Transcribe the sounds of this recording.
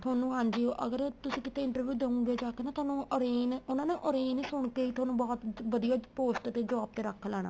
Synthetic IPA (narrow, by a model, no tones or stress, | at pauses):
t̪ʰʊaːnũːɦand͡ʒiːoːʔəɡəɾt̪ʊsĩːkɪt̪eːɪ̃ɳʈəɾʋjuːd̪eũːɡeːd͡ʒaːkenãːt̪ʰʊaːnũːəɾeːnʊnãːneːʔoːɾeːnːsʊɳ̃keːiːt̪ʰʊaːnũːbɔːt̪ʋəd̪ijaːpoːsʈt̪eːd͡ʒəʋaːb̚t̪eːɾəkʰːlɛːɽ̃aː